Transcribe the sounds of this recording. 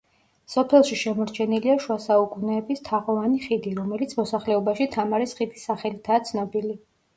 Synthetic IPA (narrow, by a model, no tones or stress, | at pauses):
sɔpʰɛlˠʃiʃɛmɔɾt͡ʃʰɛniliaʃuasaukʼunɛːbist̪ʰaʁɔvaniχid̪iɾɔmɛlit̪sʰmɔsaχlɛɔbaʃit̪ʰamaɾisχid̪isːaχɛlit̪ʰaːt̪sʰnɔbili